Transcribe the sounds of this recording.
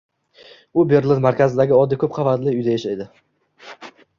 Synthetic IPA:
ʊbeɾlˠɪnmaɾkʲazɪd̪aɡʲɪɒd̪ːɪkʰɵp̚qʰɑvat̪lɪʊjd̪ajaʃajd̪ɪ

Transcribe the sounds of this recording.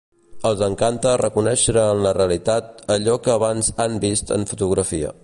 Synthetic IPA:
əlˠzəŋkant̪ərəkunɛʃəɾəːnləreəlit̪at̪̚əʎɔkəːβanzambist̪ə̰ɱfut̪uɣɾəfiə̰

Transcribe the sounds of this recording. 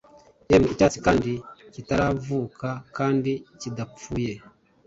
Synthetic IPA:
emicaːt͡sikaːndicitaɾavuːkʰakaːndicidap͡fuːje

